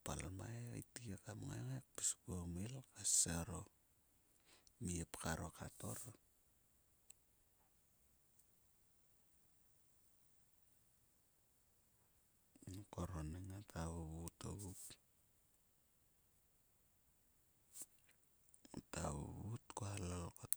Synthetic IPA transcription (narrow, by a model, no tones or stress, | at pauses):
pa̰lmajoitikekamaŋa̰ŋek̚piskuomilkasaɾo | miepkaɾokato̞̰ɾ | koɾonaŋatʰaβoβuto̰βup | ata̰βo̰βutkoalalkot